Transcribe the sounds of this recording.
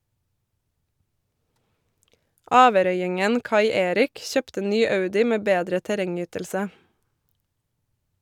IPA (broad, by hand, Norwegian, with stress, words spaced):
ˈɑːʋəˌɾœʏɪŋən ˈkɑɪ ˈeːɾɪk ˈçøːptə ˈnyː ˈɑʉdɪ ˈmeː ˈbeːdɾə tæˈɾɛŋˌyːtəlsə